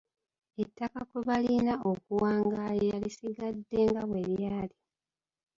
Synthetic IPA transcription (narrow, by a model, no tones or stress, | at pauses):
e̞tːakakwuβalinao̞kuwaːŋɡalejalisiɡadːeːŋɡaβwe̞ljaːli